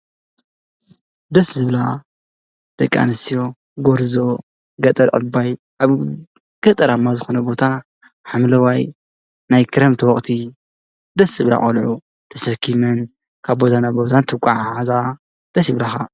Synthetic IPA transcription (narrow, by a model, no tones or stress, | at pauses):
d̪ɐszɨβla | d̪̥ɐkʼːa̰nɨst̪ijo | ɡoɾzo̞ | ɡɐt̪ʼɐɾʔɨ̰baj | ʔaβ | ɡ̥ɐt̪ʼɐɾamːazɨxonɐbo̞t̪ʰa | ħamlɐwaj | najkʰɨɾɐmt̪ʰɨwɔχʼt̪ʰi | d̪ɐsɨβla̰χʼɐ̰lʕu | t̪ʰɐsɐkʰːimɨn | kʰaβbot̪anabozant̪ʰɨkʷʼaʕaaza | d̪̥ɐsɨβlaxa